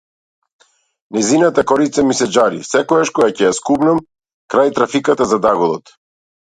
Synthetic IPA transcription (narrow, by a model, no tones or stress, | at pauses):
nɛjzinat̪akɔɾit̪samisɛd͡ʒaɾḭsɛkɔɡaʃkɔɡacɛjaskubnam | kɾajt̪ɾafikat̪azad̪aɡɔlˠɔt̪